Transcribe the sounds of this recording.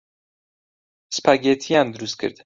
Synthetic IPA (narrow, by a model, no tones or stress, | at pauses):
spʰaɡet̪ʰijand̪uɾust̪̚kʰḛɾd̪